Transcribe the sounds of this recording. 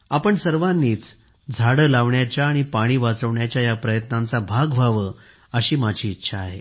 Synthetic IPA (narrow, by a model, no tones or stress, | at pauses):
apəɳsəɾʋanːiːt͡s | d͡zʱaɽəːlaʋɳjat͡ɕjaːɽ̃ipaɽ̃iːʋat͡səʋɳjat͡ɕjajapɾəjət̪nãnt͡sabʱaɡbʱaʋəː | əɕiːmad͡ʑʱiːtːɕʰaːɦe